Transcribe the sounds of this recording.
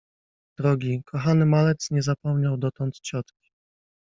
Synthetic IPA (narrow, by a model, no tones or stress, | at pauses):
d̪̥ɾɔɡʲikʰɔxanɘmalɛt̪sɲɛzapɔmɲawd̪ɔt̪ɔnt̪t͡ɕɔt̪kʲi̥